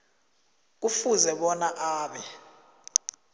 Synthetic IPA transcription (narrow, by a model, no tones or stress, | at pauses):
k̬ufuzɛɓɔnaʔaːɓɛ